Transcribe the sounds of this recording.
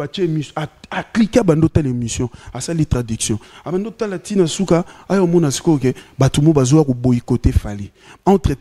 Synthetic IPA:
at͡ʃeemisaaklikabandotalemisjɔ̃asalitʁadiksjɔ̃abandotalatinasukaawmɔnasi̥kokebatumobazowakobojikotefali | ãtʁɛ

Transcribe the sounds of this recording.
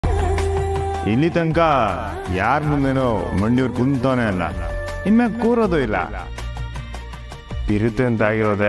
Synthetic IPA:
ilːit̪ɐŋka | jaːɾmund̪enomɐɳɖiuɾkunt̪oːneɐlːa̰imːekuːɾod̪oilːa̰ | p̪iɾut̪ent̪aːɡiɾoːd̪e

